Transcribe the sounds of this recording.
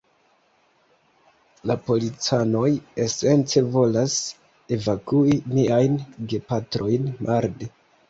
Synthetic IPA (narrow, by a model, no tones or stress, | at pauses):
lapo̞lit͡sano̞je̞se̞nt͡se̞vo̞las | e̞vakuimiajnɡe̞patɾo̞jnmʔaɾde